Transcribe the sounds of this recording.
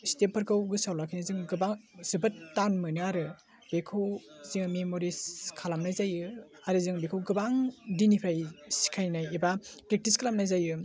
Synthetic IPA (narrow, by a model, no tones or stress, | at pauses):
stepʰɐɾkawɡɯsawlakʰinizɯŋɡɯbaŋz̥ɯbɐtːanmɯnɯaɾɯ | b̥ekʰɯwziŋmemoɾiskʰalamnajzajɯ | aɾɯzɯŋbekʰɯwɡɯbaŋdinipʰɾajsi̥kʰajnajebapɾek̚tiskʰalamnajzajɯ